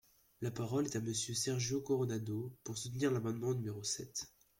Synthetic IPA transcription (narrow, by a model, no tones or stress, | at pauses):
lapaʁɔlɛt̪aməsjøsɛʁʒokɔʁɔnad̪opuʁsut̪niʁlamɑ̃d̪mɑ̃nymeʁosɛt̪